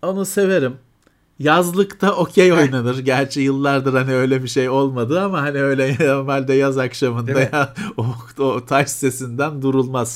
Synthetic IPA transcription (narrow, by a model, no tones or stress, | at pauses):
o̞nuse̞ve̞ɾim | jazlˠɯkt̪ʰaʔo̞cʰejo̞jnanɯɾɟæɾt͡ʃʰɛjɯlˠːaɾd̪ɯɾhaniø̞jlʲɛbiʃejo̞lˠmad̪ɯamaɦhaniø̞jlʲɛnoɾmɛlʲd̪ɛjazakʃamɯnd̪ajao | ot̪ʰaʃse̞sind̪ænd̪uɾulˠmaz̥